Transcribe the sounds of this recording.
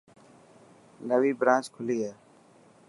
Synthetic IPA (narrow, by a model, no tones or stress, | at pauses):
nəʋiːbɾãːt͡ʃkʰʊliːaː